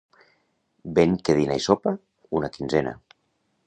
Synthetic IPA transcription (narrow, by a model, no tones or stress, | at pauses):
beŋkeðinajsopa | unakinzɛna̰